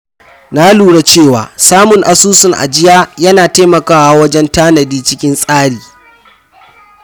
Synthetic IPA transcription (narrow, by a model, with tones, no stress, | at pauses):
na˦luː˨ɽa˨t͡ʃeː˦˨waː˨saː˦mʊ˨ŋʔa˨suː˦sʊ˨ŋʔa̰˨d͡ʒɪ˦jaː˦jɐ˦naː˨taː˦mɐ˨kaː˦wa˨wɐ˦d͡ʒɛ˦ntaː˦nɐ˨diː˦t͡ʃɪ˦kʲɪ˦nsʼaː˦ɽiː˨